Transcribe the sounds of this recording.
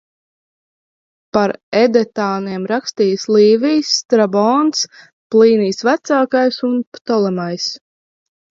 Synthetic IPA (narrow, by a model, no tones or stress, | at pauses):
paɾɛd̪ɛt̪aːniɛmɾakst̪iːəsliːvʲijsːt̪ɾabɔns | plˠiːniːsvæt̪saːkajsunpt̪ɔlˠɛmajs